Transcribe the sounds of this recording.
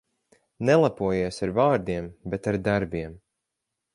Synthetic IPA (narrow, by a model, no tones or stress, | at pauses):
nɛlˠapuɔjiːsaɾvaːɾd̪iɛmbet̪aɾd̪aɾbiɛm